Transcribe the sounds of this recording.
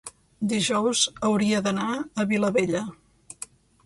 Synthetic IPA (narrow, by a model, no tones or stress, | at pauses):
d̪iʒɔwzəwɾiəðənaəβiləβeʎə